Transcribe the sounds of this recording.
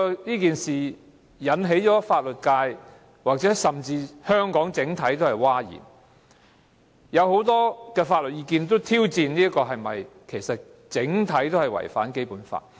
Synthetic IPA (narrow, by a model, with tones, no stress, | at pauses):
niː˥kiː˨nsiː˨˩ | jɐ˨˥nɦe˨˥jt͡sɔː˨˥faː˧t̚lɵ˨t̚kaː˧j | waː˨˩k̚t͡sɛː˨˥sɐ˨˩mt͡siː˧hœː˥ŋkɔː˨˥ŋt͡sɪ˨˥ŋt̪ʰɐ˨˥jt̪̬o˥hɐ˨jwaː˥jḭː˨˩n | jɐ˨˧who˨˥wt̪ɔː˥kɛː˧faː˧t̚lɵ˨t̚jiː˧kiː˧nt̪o˥wt̪ʰiː˥wt͡siː˧nniː˥ɐ˥kɔː˧ɦɐ˨jmɐ˨jkʰe˨˩jsɐ˨t̚ | t͡sɪ˨˥ŋt̪ʰɐ˨˥jt̪o˥whɐ˨jwɐ̰˨˩jfa̰ː˨˥nke˥jpuː˨˥nfa̰ː˧t̚